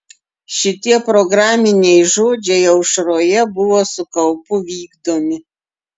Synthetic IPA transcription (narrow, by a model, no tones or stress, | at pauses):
ʃɪt̪iɛpɾoɡɾaːmʲɪnʲɛjʒʊd͡ʒʲɛjɛwʂɾojɛbʊwɔsʊkɐlˠpʊʋʲiːɡd̪omʲɪ